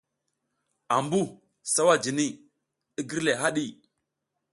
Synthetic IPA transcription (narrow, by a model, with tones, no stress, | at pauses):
a˨mbu˦˨ | sa˦wa˦d͡ʒi˨ni˦ | ɗi˦ɡi˦ɾle˨ɦa˦ɗi˦˨